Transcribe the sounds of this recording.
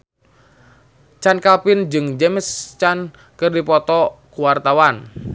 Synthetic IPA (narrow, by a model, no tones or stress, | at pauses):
t͡ʃankapɪnd͡ʒɨŋd͡ʒɛməst͡ʃan | kɨrdipɔt̪ɔkuwart̪awan